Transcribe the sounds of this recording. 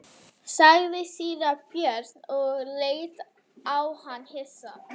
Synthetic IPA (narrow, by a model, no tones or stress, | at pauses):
sajðɪsiːɾapjɛɾɔɣlejt̪ | awhanhɪsa